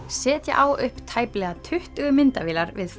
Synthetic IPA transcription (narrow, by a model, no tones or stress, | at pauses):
sɛːt̪ja̰ʔawʏhpt̪ʰaːjplɛɣat̪ʰʏht̪ʏɣʏmɪnt̪aviːlaɾvɪð